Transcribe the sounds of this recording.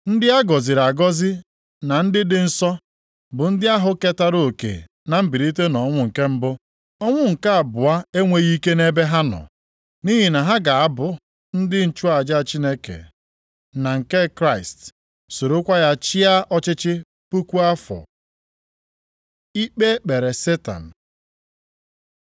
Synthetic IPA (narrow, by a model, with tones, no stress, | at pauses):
n̩˦dɪ˦a˦ɡɔ˨zɪ˨ɾa˨ɡɔ˦zɪ˦ | na˨n̩˦dɪ˦dɪ˨n̩˦sɔ˦ | bʊ˨n̩˦dɪ˦a˦ɦʊ˨ke˦ta˦ɾo˦o˨kḛ˨ | na˨m̩˦bi˨ɾi˦t̬e˦nɔ˨˦ŋʷʊ˦ŋ̩˨ke˦m̩˦bʊ˦ | ɔ˦ŋʷʊ˦ŋ̩˨ka˦a˨bʊ˨a˦e˦ŋʷe˨ɣi˦ke˦ne˦be˦ɦa˦nɔ̰˨ | ni˦ɦi˨na˨ɦa˦ɡa˨a˦bʊ˨ | n̩˦dɪ˦n̩˨t͡ʃu˦a˨d͡ʒa˦a˨t͡ʃi˦ne˦kḛ˨ | na˨ŋ̩˨ke˦kɾa˦˨ɪ˨st | so˨ɾo˦kʷa˦ja˦t͡ʃɪ˦a˦ʔɔ˦t͡ʃɪ˦t͡ʃɪ˦ | pu˦kʷu˦a˦fɔ̰˨ | i˦k͡pe˦k͡pe˨ɾe˨se˦ta̰˨n̩˨